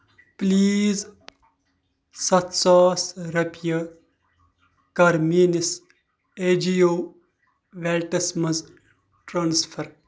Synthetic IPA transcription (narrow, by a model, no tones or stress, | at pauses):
pliːz | sɐt̪saːsɾɐpjɐ | kɐɾmiːnɪs | ed͡ʒijoː | ʋelʈɐsmɐz | ʈɾaːnsfʰɐɾ